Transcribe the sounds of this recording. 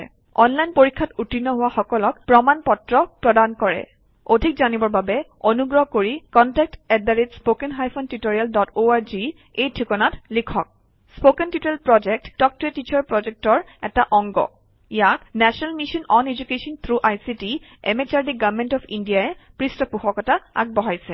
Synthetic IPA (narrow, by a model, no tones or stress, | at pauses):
ɔnlajnpoɹikʰːatutinːɔɦʊwaxɔkɔlɔkpɹɔmanpɔtɹɔpɹɔdankɔɹɛ̰ | odʱik̚zanibɔɹbabɛonuɡɹɔɦkoɹikɔntɛk̚tɛdaɹitspokɛnɦajpʰontutoɹialdɔtoaɹzi | ejtʰikɔnatlikʰɔk̚ | spokɛntitoɹjalpɹɔd͡ʒɛk̚td̥ɔk̚tɔɹetit͡ʃɔɹpɹɔzɛk̚tɔɹ | ɛtaʔɔŋɡɔ̰ | ijaknɛsɔnalmiʃɔnɔned͡ʒukesɔnt̪ʰɹuʔajsiti | ɛ̰met͡ʃaɹdiɡavmentɔpʰindiaɛpɹistɔpuxɔkɔtaa̰k̚bɔɦajsɛ